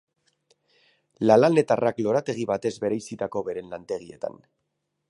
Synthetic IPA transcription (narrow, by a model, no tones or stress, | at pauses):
lalane̞t̪araklo̞ɾat̪e̞ɣ̞iβat̪e̞zβe̞ɾejsit̪ako̞βe̞ɾe̞nlant̪e̞ɣ̞ie̞t̪a̰n